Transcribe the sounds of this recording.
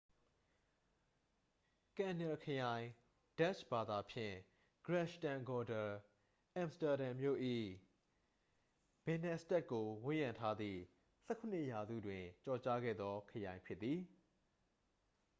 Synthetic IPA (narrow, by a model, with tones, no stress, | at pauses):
kã˨nə˨kʰəjã˨ɪ̃ | d̥a˦ʃb̥a˨d̪a˨pʰjɪ̰̃˦˨ | ɡ̥ɹɛ˦ʃtã˨ŋɡɔ˨də˨ | ʔã˨msta˨ɾã˨mjo̰˦˨ʔḭ˦˨ | b̥ɛ̃˨nɛ˦stɛ˦ʔkːo˨wʊ̃˦˨jã˨ntʰa˦d̪ðḭ˦˨ | sɛ˦kʰo˨nɪ˦ʔja˨zṵ˦˨dwɪ̃˨t͡ɕɔ˨t͡ɕa˦ɡɛ̰˦˨d̪ðɔ˦kʰəjã˨ɪ̃pʰjɪ˦t̪ːði˨